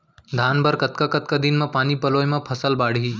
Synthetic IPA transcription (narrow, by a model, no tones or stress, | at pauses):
d̪ʱaːnbɐɾkɐt̪̚kakɐt̪̚kad̪inmɐ̃paːnipɐloːjmɐ̃pʰɐsəlbaːɽ̤ʱiː